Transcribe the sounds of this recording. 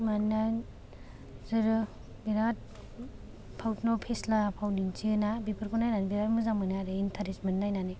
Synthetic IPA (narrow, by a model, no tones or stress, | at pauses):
manːa | zɯɾɯ | biɾat̚ | pʰawtnɔpʰeslapʰawnint͡ʃiɯnabipʰɯɾkʰɔnajnanibiɾatmuzaŋmɯnaɾeintʰaɾesmennajnani